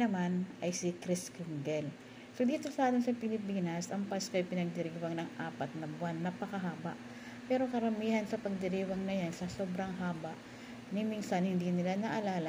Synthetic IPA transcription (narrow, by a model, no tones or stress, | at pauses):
nɐmanʔɐjsikɾiskuŋɡɛl | sod̪iːt̪o̞sɐʔaːt̪ɪnsɐpɪlɪpiːnɐsʔɐŋpaːskoʔɐjpɪnɐɡ̚d̪ɪɾiːwɐŋnɐŋʔaːpɐt̪̚nɐbwanːɐpɐkɐɦaːba̰ʔ | pɛːɾo̞kɐɾɐmiːhɐnsɐpɐɡ̚d̪ɪɾiːwɐŋnɐjansɐso̞ːbɾɐŋɦaːbɐʔ | nɪminsɐnhɪnd̪inɪlanɐʔɐlaːlɐ